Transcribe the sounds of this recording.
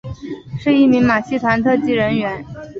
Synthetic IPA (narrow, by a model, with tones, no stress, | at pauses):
ʂɻ̩˥˧i˥˩mi˧˥ŋma˨˩ɕʰi˥˩t̪ʰwa˧˥nt̪ʰɤ˥˧t͡ɕi˥ɻə˧˥nɥɛ˧˥n